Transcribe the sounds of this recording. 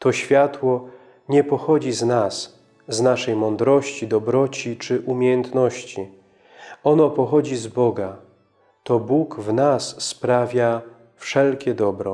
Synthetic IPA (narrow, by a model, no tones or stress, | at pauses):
t̪ɔɕfʲjat̪wɔ | ɲɛpɔxɔd͡ʑiznas | znaʂɛjmɔnd̪ɾɔɕt͡ɕid̪ɔbɾɔt͡ɕit͡ʂɘʔumʲjejɛnt̪nɔɕt͡ɕi | ɔnɔpɔxɔd͡ʑizbɔɡa | t̪ɔbukvnasːpɾavʲja | fʂɛlkʲɛd̪ɔbɾɔ